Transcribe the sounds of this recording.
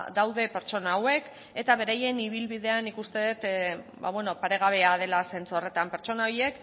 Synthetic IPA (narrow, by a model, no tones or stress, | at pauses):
d̪awðe̞pe̞ɾt͡ʃo̞naːwe̞k | e̞t̪aβ̞e̞ɾaje̞niβ̞ilβiðe̞anikust̪e̞ðet̪ba̰βweno̞paɾe̞ɣ̞aβ̞e̞að̞e̞lase̞nt͡suare̞t̪ampe̞ɾt͡ʃo̞naoje̞k